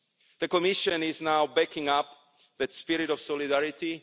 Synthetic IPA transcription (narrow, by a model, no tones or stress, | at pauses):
ðəkɔmɪʃə̃nɪznaʊbɛkɪ̃ŋap | ðætspɪɾɪɾɔfsɔlidæɹɪti